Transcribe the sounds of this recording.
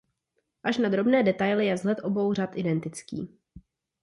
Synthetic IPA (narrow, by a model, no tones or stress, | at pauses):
ʔaʃnad̪ɾo̞bnɛːdɛt̪ajlɪjɛvzlɛt̪ʔo̞bo̞wr̝at̪ʔɪdɛnt̪ɪt͡skḭː